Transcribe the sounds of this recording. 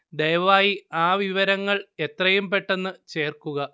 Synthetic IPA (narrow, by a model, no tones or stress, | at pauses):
d̪ejʋɐʋaːjiaːʋiʋɐɾɐŋːɐɭe̞t̪rɐjumpe̞ʈːe̞nːɨt͡ɕe̞ːrkuɣɐ